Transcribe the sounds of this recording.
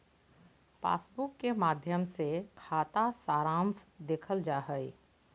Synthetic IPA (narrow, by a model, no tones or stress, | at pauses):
pa̰ːsbʊkːemaːd̪ʱjəmsekʰaːt̪asaːɾãːnsd̪eːkʰəld͡ʒaːɦəi